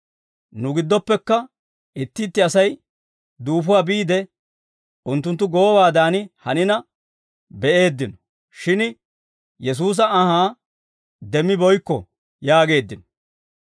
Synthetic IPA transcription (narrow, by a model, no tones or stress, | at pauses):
nʊɡɪd̪ːɔpːɛkːɐ | ɪt̪ːɪːt̪ːɪɐsɐj | d̪uːfʊwaːbiːd̪ɛ | ʊnt̪̬ːʊnt̪ːʊɡoːwaːd̪aːnɪhɐnɪnɐ | bɛʔe̞ːd̪ːɪnɔ̥ | ʃɪn | jɛs̬uːs̬ɐɐɦaː | d̪ɛmːɪbɔjkːɔ | jaːɡe̞ːd̪ːɪnɔ̥